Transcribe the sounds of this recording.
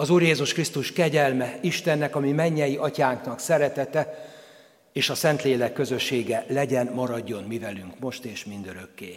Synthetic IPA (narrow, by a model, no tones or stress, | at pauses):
ɒzuːɾjeːzuʃkrist̪uʃkɛɟɛlmɛiʃt̪ɛnːɛkɒmimɛɲːɛjiʔɒcaːŋknɒksɛɾɛt̪ɛt̪ɛ | eːʃɒsɛnt̪leːlɛkːø̞zø̞ʃːeːɡɛlɛɟɛnmɒɾɒɟːo̞nmivɛlyŋkmo̞ʃt̪eːʃmind̪øɾø̞kːeː